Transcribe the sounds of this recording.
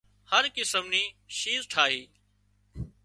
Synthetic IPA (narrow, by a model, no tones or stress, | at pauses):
həɾkɪsəmniːʃiːzʈʰaːɦiː